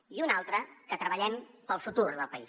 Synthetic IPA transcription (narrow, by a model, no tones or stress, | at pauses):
iunalˠt̪ɾəkət̪ɾəβəʎɛmpəlˠfut̪uɾðəlˠpəi